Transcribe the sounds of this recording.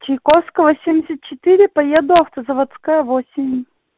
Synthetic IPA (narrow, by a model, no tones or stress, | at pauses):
t͡ɕɪjkofskəvosʲimʲdʲɪsʲət̪̚t͡ɕɪt̪ɨɾʲɪpɐjed̪ʊɐft̪əzəvɐt̪skajəvosʲɪmʲ